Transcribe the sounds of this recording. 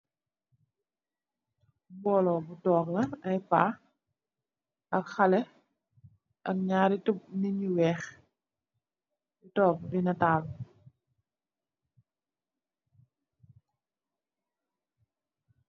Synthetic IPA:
bɔlɔbutɔːk̚nɐnɐjpaː | ʔɐkxɐlɛ | ʔɐk̚ɲaːɾitup̚niɲuwɛːx | butɔːk̚binɐtaːl

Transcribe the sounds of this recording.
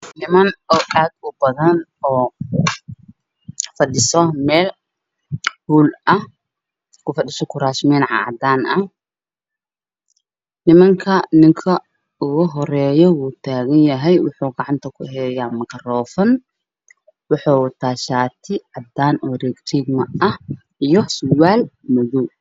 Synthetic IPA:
nɪmɐnɔʔaːd̪ʊbɐðɐnɔː | fɐɗɪsɔmɛːl | huːlʔɐh | kʰʊfɐɗɪʃɔkʰʊɾaːʃmɛːnʕɑ̰ʕɑ̰d̪aːnɐh | nɪmɐŋkʰɐnɪŋkʰɐ | ʊɣʊɦɔɾɛːjɔwuːt̪ʰaːɣɐnjɐɦɛjwʊ̰ħuːɡɑʕɑnt̪ʰɐkʰʊɦɛːjaːmɐkʰɐrɔːfɐn | wɑħuːwt̪ʰaːʃaːt̪ʰɪʕɑd̪aːnɔɾɛɡt̪iɡmɐɐh | ijɔsʊwaːlmɔðu

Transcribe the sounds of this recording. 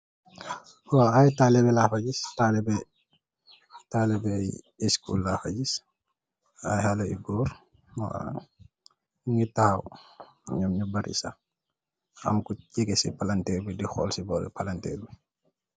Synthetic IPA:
waajtalɛbɛlaːfɐɟistalɛbɛ | talɛbɛj | ɛskṵːlːaːfa̰ɟis | ajhalɐḭbɔːɾ | ma̰n | ŋitaw | ɲɐmɲubɐɾḭsa̰ | ɐ̰mkucɛɡɛsipalantɛːɾbidixɔ̰ːlsibɔːlḭpalantɛ̰ːrbi

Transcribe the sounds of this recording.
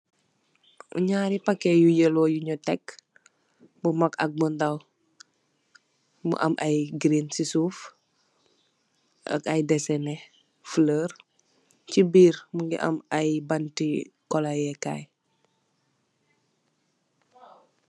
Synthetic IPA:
ṵɲaːɾipakːejujəloːjuɲɔtɛk | bumakɐk̚bundaw | mṵʔɐ̰mʔɐjɡɾinsisuːf | ʔɐ̰kɐjdɛsɛnɛ | fləːr | cibiːɾmuŋɡḭʔɐ̰mɐjbantikɔlajɛka̰j

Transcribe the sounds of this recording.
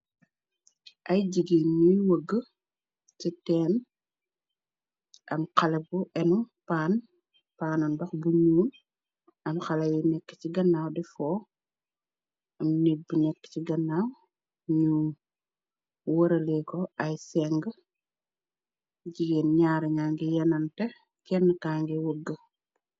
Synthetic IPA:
ʔɐjɟiɡeːnɲujwəɡːə | titɛːn | ʔɐmkɐlɐbuʔɛnupaːn | paːnɐnbɐxbuɲuːn | ɐmxɐlɐjunɛkːə̥ciɡɐnːaːwdɛfɔː | ɐmnit̚bunɛkːə̥ciɡɐnːaːw | ɲu | wɐɾɐlɛkɔɐjsɛŋɡ | ɟiɡinɲaːɾɲaːŋɡijɛnɐntɛ | kɛnːkaːŋɡiwoɡːə

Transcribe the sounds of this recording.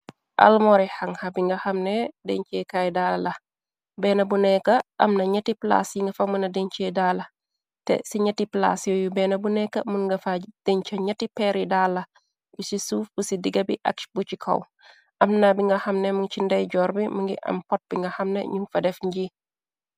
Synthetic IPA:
ʔɐ̰lmɔɾihɐŋhɐbiŋɡɐxɐmnɛdɛ̰ɲt͡ʃɛkajdalɐlɐ | bɛːnɐbunɛkːɐʔɐ̰mnɐɲɐtipla̰sjiŋɡɐfamunɐdeɲt͡ʃedaːlɐ | tɛ̰siɲɐtipla̰sjojubɛnɐbunɛkːɐmuŋɡɐfad̥ɛɲt͡ʃɐɲɐtipɛɾidalːɐ | busisuːfb̥usidiɡɐbiʔɐ̰k̚t͡ʃbut͡ʃikʰɐ̰w | ʔɐmnabiŋɡɐxɐmnɛmuŋt͡ʃindɐjɟɔːɾbimuŋɡḭʔɐ̰mpɔt̚b̥iŋɡɐxɐmnḛɲuŋfɐdɛfɲɟi

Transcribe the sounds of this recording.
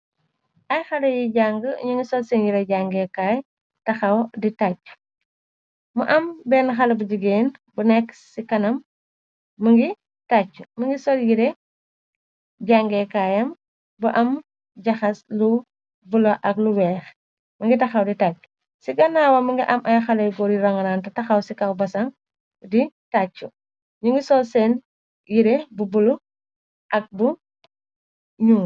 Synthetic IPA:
ʔɐjxɐlɐjiɟaŋɡəɲuŋɡisɔlsɛnjiɾɛɟaŋɡɛkaːj | tɐxɐwditacːu̥ | muʔɐmbɛːnxɐlɐbuɟiɡeːnbunɛkːsikɐnɐmː | ɐŋɡi | tat͡ʃːu̥mɐŋɡisɔljiɾɛ | ɟaŋɡɛkaːjɐm | buʔɐm | ɟɐxɐslu | bulɐʔɐkluwɛːx | mɐŋɡitɐxɐwditacːu̥ | siɡɐnaːwɐmɐŋɡiʔɐmʔɐjxɐlɐjɡɔɾiɾɐŋɐnaːntɐtɐxɐwsikɐwbɐsɐŋ | ditat͡ʃːu | ɲuŋɡisɔlsɛn | jiɾebubulu | ʔɐk̚bu | ɲuŋ

